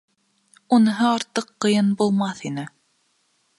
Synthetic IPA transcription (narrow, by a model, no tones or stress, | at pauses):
unɤ̆ɦɤɑɾt̪ɤqːɤ̆jɤnbulˠmɑθinɘ